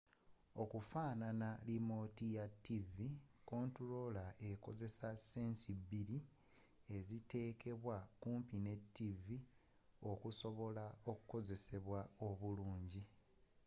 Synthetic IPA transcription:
o̞kufaːnanalimo̞tijatːiviko̞ːntuɾo̞lae̞ko̞̰ze̞saseːnsibiɾi | e̞zite̞ːkʰe̞βwakuːmpine̞tːivi | o̞kuso̞βo̞lao̞kuko̞ze̞se̞βwao̞βuluːɲɟi

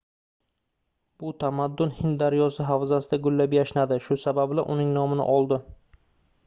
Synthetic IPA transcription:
b̥ʊt̪ʰamad̪ːʊnhɪnd̪aɾjɒsɪɦawzasɪd̪aɡʊlːapjaʃnad̪ɪʃʊsababla̰ʔʊnɪŋnɒmɪnɪ̰ʔɒlˠd̪ɪ

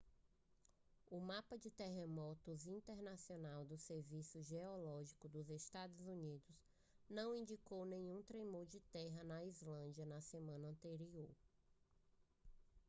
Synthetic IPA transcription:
ʊmapɐd͡ʒɪt̪eɦemɔt̪ʊzĩnt̪eɾnasionawd̪ʊseɾvisʊʒeɔlɔʒikʊd̪ʊzest̪ad̪ʊzunid̪ʊs | nɐ̃w̃ĩd͡ʒikownẽɲũt̪ɾejmoɾd͡ʒɪt̪ɛɦɐnɐizlɐ̃d͡ʒiɐnɐsemɐ̃nɐɐ̃nt̪eɾioɾ

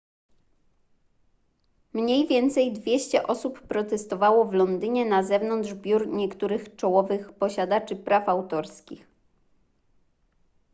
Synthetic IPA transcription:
mɲejvʲjɛnt̪sɛjd̪vʲjɛɕt͡ɕɛʔɔsupːɾɔt̪ɛst̪ɔvawɔvlɔnd̪ɘɲɛnazɛvnɔnd̪ʐbʲjuɾɲɛkt̪uɾɘxt͡ʂɔwɔvɘxpɔɕad̪at͡ʂɘpɾʔafawt̪ɔɾskʲix

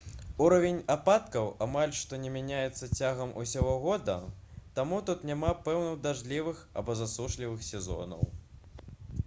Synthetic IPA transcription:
uɾɐvʲenʲapat̪kɐwamalʲʂt̪ɔnʲɛmʲanʲajɛt̪sːɐt͡sʲaɣɐmṵsʲaɣɔɣɔd̪ɐ̰t̪amut̪ut̪nʲamapɛwnɨwd̪aʐlʲivɨxa̰bɔzasuʂlʲivɨxsʲɛzɔ̰nɐ̰w

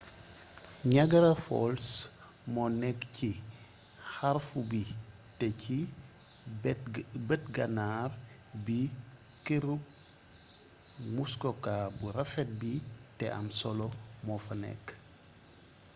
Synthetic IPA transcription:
ɲaɡɐɾɐfɔ̰ls | mɔnɛkci | haɾfubi | tɛci | bətɡanar | bi | keɾuk̚ | ŋuskɔkabuɾafɛt̚bitɛʔɐ̰msɔlɔmɔfɐnɛ̰k

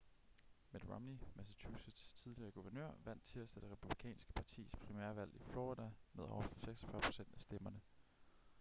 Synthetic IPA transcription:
med̥ʁɑmnimæsæt͡sʰusəd̥st͡sʰið̞ˠliɐːɡ̥uʋɐnø̰ɐ̰ʋæn̰d̥t͡sʰe̝læsd̥æd̥e̝ʁepʰub̥likʰɛ̰ːnsɡ̥ə̥pʰɑ̈t͡sʰḭːspʰʁimæ̰ɐʋæl̰iflɒːʁid̥æmeð̞̰ˠɒʊɐfseɡ̥sɐ̥fɶɐpʰo̝̥sen̰d̥æsd̥emɐnə

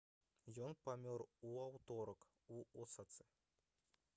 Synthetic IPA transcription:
jonpɐmʲoruawt̪oɾək | uosat̪sɨ

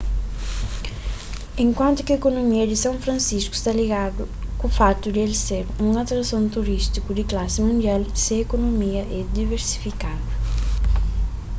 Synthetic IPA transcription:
ẽŋkwãnt̪ʊkɪekonomiɐd̪ɪsãw̃fɾɐ̃nsiʃku̥st̪aliɣad̪ʊ | kufat̪ud̪elseɾũŋat̪ɾɐsõñt̪uɾist̪ikud̪ɪklasɪmũnd̪ialseekonomiɐʔɛd̪iveɾsi̥fikad̪ʊ

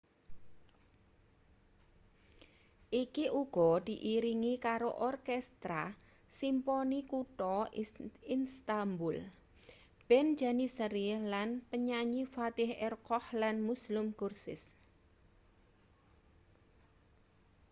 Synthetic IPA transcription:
ʔikiʔuɡ̥ɔ̤d̪̥i̤ʔiɾiŋikaɾoʔɔrkɛst̪ɾa | simpɔnikuʈɔ | inst̪ambʊl | b̥ɛn̥d͡ʒanisəɾilanpəɲaɲifat̪ɪhɛrkɔhlanmuslʊmkursɪ̰s

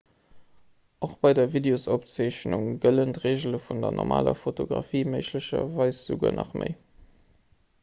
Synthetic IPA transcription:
ʔoχb̥ɑɪdɐvideosop̚t͡sɑɪɕnuŋɡələntʁeːʑələfundɐnʔɔ̰ʁma̰ːlɐ̰fotoɡʁɑfiːməɪʃləɕɐvɑɪsz̥əɡṵːɐnʔɑ̰χmʔə̰ɪ

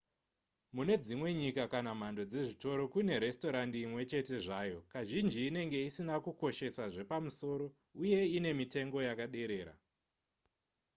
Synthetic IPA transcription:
mune̞d͡zimwe̞ɲikakanam̤ando̞d͡ze̞ʐito̞ɾo̞kune̞ɾe̞sto̞ɾandiːmwe̞t͡ʃe̞te̞ʐaːjo̞kaʒind͡ʒiːne̞ŋɡe̞isinakuko̞ʃe̞saʐe̞pamuso̞ɾo̞ | uje̞ine̞mite̞ŋɡo̞jakaɗe̞ɾe̞ːɾa̰

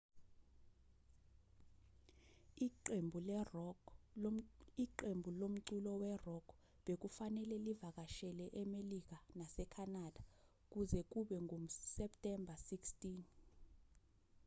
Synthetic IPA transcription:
embʱul | iǃembʱulom̩ǀulɔwɛrɔkʰ | ɓek̬ufanɛlɛlivak̬aʃɛlɛʔɛmelik̬anasɛkʰanad̥ʱa | k̬uzɛk̬uɓɛŋom̩sɛptʼɛmbʱasikstʼiːn

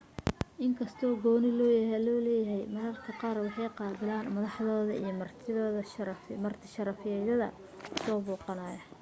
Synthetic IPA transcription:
ʔɪŋkʰɐst̪ʰɔːɡɔːnɪlɔːjɐɦɛlɔːlɛːjɐɦɛjmɐɾɐrkʰɐqɑːrwɑħɑjqɑːbɪlaːnmɐðɑħðɔːðɐʔijɞmɐrt̪ʰɪðɔːðɐmɐrt̪ʰɪ̥ʃɐɾɐfɪjɛðɐðɐ̰ | sɔːbuːqɑnaːjɐ

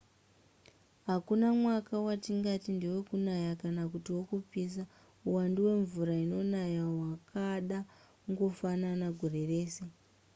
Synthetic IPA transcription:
ɦakunamwakawatiŋɡatindewe̞kunajakanakutiwo̞kup͡fis̬a | uwanduwe̞ɱvuɾaino̞najawakaɗa | ŋɡo̞fananaɡʱoɾe̞re̞ːse̞

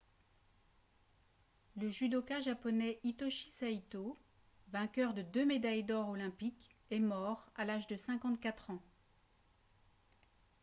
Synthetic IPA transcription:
ləʒyd̪okaʒapɔnɛʔit̪ɔʃi̥sait̪o | vɛ̃kʲœʁd̪əd̪ømed̪ajd̪ɔʁɔlɛ̃pikɛmɔʁalaʒd̪əsɛ̃kɑ̃t̪kʲat̪χɑ̃

